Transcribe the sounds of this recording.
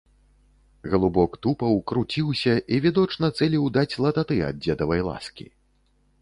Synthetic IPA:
ɣɐlˠubɔkt̪upɐwkɾut͡sʲiwsʲɐʔivʲid̪ɔt͡ʂnɐt̪sɛlʲiwd̪at͡sʲlˠɐt̪at̪ɨɐ̰d̪̚d͡zʲɛd̪ɐvɐjlˠa̰skʲḭ

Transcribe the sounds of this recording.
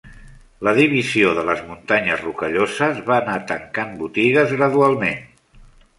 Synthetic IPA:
ləðiβ̞izioðələzmunt̪aɲəzrukəʎozəzβaːnat̪əŋkambut̪iɣəzɣɾəðualˠmen

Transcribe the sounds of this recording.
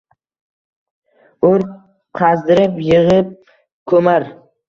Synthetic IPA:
ʊɾ | qʰɑzd̪ɪɾɪpjɪʁɪp̚ | kʰɵmaɾ

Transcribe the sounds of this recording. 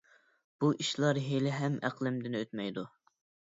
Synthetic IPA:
b̥uʔiʃlˠɑɾɦelɪɦɛmæ̰qlˠɪmd̪ɪnøt̪mɛjd̪u

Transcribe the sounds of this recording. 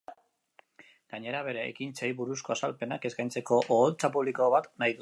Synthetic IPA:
ɡ̥aɲe̞ɾaβ̞e̞ɾe̞̰ːkint͡sejβuɾusko̞asalpe̞nake̞skajnt͡se̞ko̞ʔoːlt͡sapuβliko̞βat̪najðu

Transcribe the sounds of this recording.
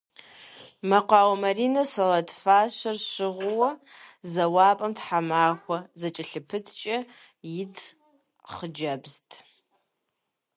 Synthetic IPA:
mɐqʷɑːwɐmɐrinɐsɐlɐtʰfaːʃʷɐrʃɨʁʷʊwɐzɐwaːpʼɐmtħamaːxʷɐzɐt͡ʃʼɪɬɨpʰɨtʰt͡ʃʼɐ | jɪtʰ | χəd͡ʒɐbztʼ

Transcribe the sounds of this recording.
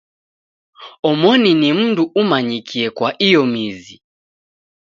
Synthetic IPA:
ɔmɔninim̩nduʔumaɲikʰiɛkwaʔijɔmizi

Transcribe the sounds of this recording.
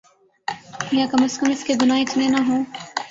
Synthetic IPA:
jaːkɐməst̪kəmɪskeɡʊnãːɪt̪mẽnaɦõː

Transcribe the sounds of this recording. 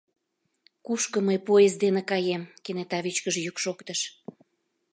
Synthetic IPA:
kuʃkə̆məjpojezd̪enĕkɑjemkenet̪ɑβit͡ɕkəʒjykʃokt̪əʃ

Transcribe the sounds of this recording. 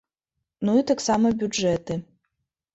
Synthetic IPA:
nuit̪aksamɐbʲud͡ʐɛt̪ɨ

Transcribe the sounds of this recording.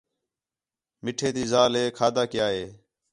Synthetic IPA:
mɪʈʰeːt̪iːzaːleːkʰaːd̪aːkɪjaːɦeː

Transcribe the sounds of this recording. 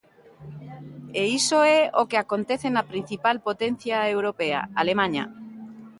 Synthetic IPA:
eisoeokeakont̪eθenapɾin̟θipalpot̪en̟θjaewɾopea̰alemãɲa̰

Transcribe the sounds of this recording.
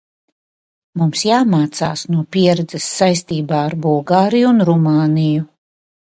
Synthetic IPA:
mumsjaːmaːt̪sa̰ːsnuɔpʲiɛɾɛd̪zɛsːajst̪iːbaːaɾbulˠɡaːɾijuunɾumaːniju

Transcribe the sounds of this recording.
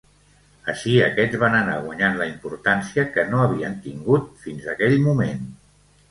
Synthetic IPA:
əʃiə̰kɛd͡zβanəna̰ɣwaɲanləimpuɾt̪ansiəkənoəβ̞iənt̪iŋɡut̪finzəkɛʎmumen

